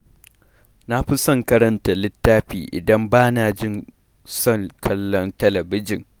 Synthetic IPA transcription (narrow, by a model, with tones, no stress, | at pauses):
na˦ɸi˦sɔ˦ŋkɐ˦ɾɐ˦ntɐ˨lɪ˦tːaː˦ɸḭː˨ʔɪ̰˨dɐ˦mbaː˦naː˨d͡ʒɪ˦˨n | sɔ˦˨ŋkʰɐ˦lːɔ˦ntɐ˦lɐ˨bɪ˦d͡ʒɪ˨ŋ